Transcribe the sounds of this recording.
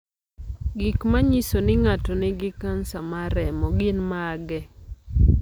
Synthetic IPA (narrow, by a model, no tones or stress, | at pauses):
ɡikmaɲisonɪŋatɔnɪɡɪkansamaɾɛmɔɡɪnmaɡɛ